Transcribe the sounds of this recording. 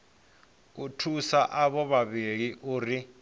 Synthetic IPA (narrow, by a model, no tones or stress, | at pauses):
utʰusaʔaɓɔβaβek̬iʔuːri